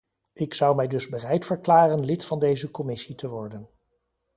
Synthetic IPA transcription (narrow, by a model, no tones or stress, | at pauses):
ɪksʌwmɛjdɵzbərɛjtfəɹklaːrənlɪtfɑndejzəkɔmɪsitəʋɔɹdən